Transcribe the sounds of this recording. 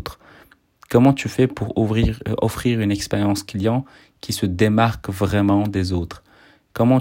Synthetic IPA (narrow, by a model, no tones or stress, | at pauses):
t̪χ | kɔmɑ̃t̪yfɛpuʁʁiɔfχiʁynɛkspeʁjɑ̃sklijɑ̃ | kʲisəd̪emaʁkvʁɛmɑ̃d̪ezoːt̪χ | kɔmɑ̃